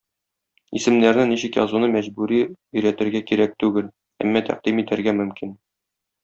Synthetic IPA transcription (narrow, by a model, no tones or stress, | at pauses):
ḭsɘ̆mnæɾnɘniɕɘkjɒ̰zunɤmæʑbʉɾiɵ̆jɾæt̪ɘ̆ɾɡækiɾæk̚t̪ʉɡɘl | æ̰mːæt̪æ̰q̚d̪̥imit̪æɾɡæmɵ̆mkin